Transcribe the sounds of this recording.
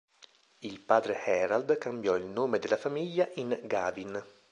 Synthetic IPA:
ilpaːd̪ɾehɛɾald̪kambjɔilnoːmed̪elafamiʎːaʔinɡaːvin

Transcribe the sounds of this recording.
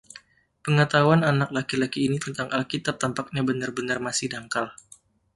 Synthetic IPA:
pəŋat̪awananak̚lakilakiːnit̪ənt̪aŋʔalkit̪ap̚t̪ampak̚ɲabənarbənarmasɪhdaŋkal

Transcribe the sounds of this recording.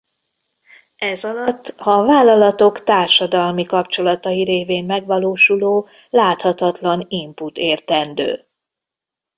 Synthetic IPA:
ɛzɒlɒt̪ːhɒvaːlːɒlɒt̪o̞kt̪aːrʃɒd̪ɒlmikɒpt͡ʃo̞lɒt̪ɒjiɾeːveːmːɛɡvɒloːʃuloː | laːt̪hɒt̪ɒt̪lɒnimput̪eːrt̪ɛnd̪ø̰ː

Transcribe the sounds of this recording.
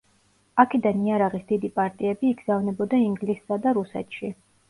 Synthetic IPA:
akʰɛd̪aniaɾaʁisd̪̥id̪ipʼaɾt̪ʼiɛbiːɡz̥avnɛbɔd̪aiŋɡlisːad̪aɾusɛ̰t̪ʃi

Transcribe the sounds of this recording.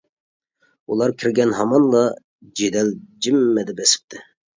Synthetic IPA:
ulˠɑɾkʲʰiɾɡʲɛnɦɑmɑnlˠɑ | d͡ʒed̪ɛld͡ʒimːɛd̪ɪbɛsɪ̥p̚t̪ʰɪ

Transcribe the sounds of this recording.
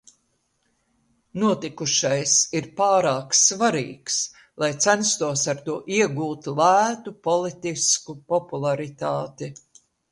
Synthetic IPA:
nuɔt̪ikuʃajsiɾpaːɾaːksvaɾḭːks | lˠajt̪sænst̪uɔsaɾt̪uɔʔiɛɡuːt̪lˠæːt̪upɔlˠit̪iskupɔpulˠaɾit̪aːt̪i

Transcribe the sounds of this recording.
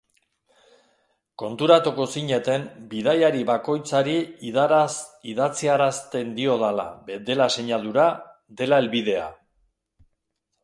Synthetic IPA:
ko̞nt̪uɾat̪uko̞siɲe̞t̪e̞mbiðajaɾiβako̞jt͡saɾi | iðat͡siaɾast̪e̞nd̪io̞ðala̰bed̪e̞lase̞ɲalðuɾa | d̪e̞lae̞lβið̞e̞a̰

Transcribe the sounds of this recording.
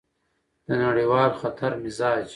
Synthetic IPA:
d̪̥ənaɽiwɑːlxat̪ʰaɾmɪzaːd͡ʒ

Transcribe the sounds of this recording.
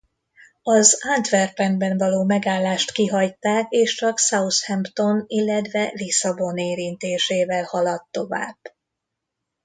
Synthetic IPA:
ɒzad̪vɛrpɛnbɛɱvɒloːmɛɡaːlːaːʃt̪kiɦɒjt̪aːkeːʃt͡ʃɒksɒushɛmpt̪o̞nilːɛt̪ʋɛlisɒbo̞neːɾint̪eːʃeːvɛlhɒlɒt̪ːo̞va̰ːb̥

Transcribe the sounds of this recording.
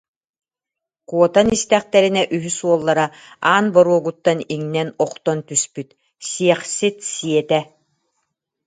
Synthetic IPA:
kuɔt̪anist̪ɛχt̪ɛɾinɛʔyɦysuɔlˠːaɾaaːnbɔɾuɔɡut̪ːaniŋnɛnɔqt̪ɔnt̪yspyt̪ | siɛχsit̪siɛt̪ɛ

